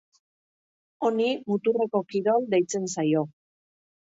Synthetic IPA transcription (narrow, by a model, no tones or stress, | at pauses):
o̞nimut̪ure̞ko̞kiɾo̞ld̪e̞jt͡se̞nsajo̞